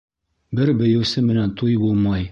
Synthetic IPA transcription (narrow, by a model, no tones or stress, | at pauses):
bɘɾbɘ̆jɘ̆wsɘmɘ̆nænt̪ʰujbulˠmɑj